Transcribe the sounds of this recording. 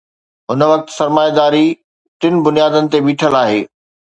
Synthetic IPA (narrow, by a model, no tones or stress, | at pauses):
ɦʊnʋɐk̚t̪sɐɾmaːjd̪aːɾi | t̪ɪnɪ̆bʊnijaːd̪ənɪ̆t̪ebiːʈʰəlaːɦeː